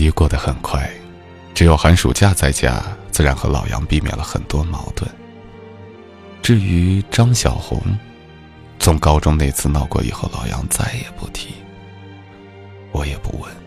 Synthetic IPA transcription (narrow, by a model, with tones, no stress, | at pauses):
i˧˥kwɔ˥˩d̪ə˩xə˨˩nkʰwa˥˩ɪ | ʈ͡ʂɻ̩˧˥jo˨˩ʊxa˧˥nʂṵ˨˩t͡ɕja˥˧t͡sa˥˧ɪt͡ɕja̰˥t͡sɹ̩˥˩ɻa˧˥nxɤ˧˥lɑ˨˩ʊjɑ̰˧˥ŋpi˥˩mjɛ̰˨˩nlə˦xə̰˨˩nt̪wɔ˥mɑ˧˥ʊt̪wə˥˩n | ʈ͡ʂɻ̩˥˩y˧˥ʈ͡ʂɑ˥ŋɕjɑ˨˩ʊxʊ̰˧˥ŋ | t͡sʰʊ˧˥ŋkɑ˥ʊʈ͡ʂʊ˥ŋne˥˧ɪt͡sʰɹ̩˥˧nɑ˥˧ʊkwɔ̰˥˩ḭ˨˩xo˥˩ʊlɑ̰˨˩ʊjɑ̰˧˥ŋt͡sa˥˩ɪjɛ˨˩pṵ˥˩t̪ʰi˧˥ | wɔ˧˥jɛ˨˩pṵ˥˩wə˥˩n